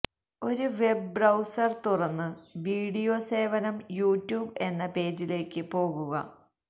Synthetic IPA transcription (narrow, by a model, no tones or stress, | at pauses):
o̞ɾuʋe̞bbrɐwsɐrt̪urɐnːɨʋiːɽijo̞ːse̞ːʋɐnɐmjuːtːjuːbe̞nːɐpe̞ːd͡ʑile̞ːkːɨpo̞ːɣuɣɐ̰